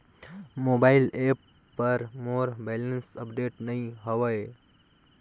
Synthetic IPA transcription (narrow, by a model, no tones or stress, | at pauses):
moːbaɪlepː | ɐɾmoːɾbɛlənsəpɖeʈnɐɦĩɦəʋəj